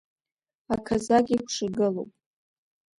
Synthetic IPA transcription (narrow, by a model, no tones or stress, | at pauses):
akʰazaɡʲikʷʰʂɨɡɨlo̰wpʼ